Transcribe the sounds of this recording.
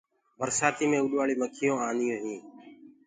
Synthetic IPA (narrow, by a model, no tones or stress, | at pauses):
bʱəɾsaːt̪iːmẽːʊɗʋaːɭiːməkʰɪjõːaːnɪjõːɦĩː